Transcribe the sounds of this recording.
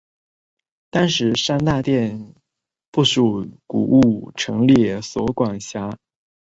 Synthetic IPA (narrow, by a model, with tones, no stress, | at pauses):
t̪ɑ˥nʂɻ̩˧˥ʂa˥nt̪a˥˧t̪jɛ˥˧n | pu˥˩ʂu˨˩kṵ˨˩ʔu˥˩ʈ͡ʂʰɤ˧˥ŋljɛ˥˩swɔ̰˧˥kwa˨˩ŋɕja˥